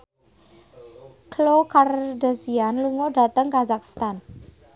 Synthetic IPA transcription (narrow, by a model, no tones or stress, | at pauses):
klokardasianluŋɔɖa̤t̪əŋkazakst̪an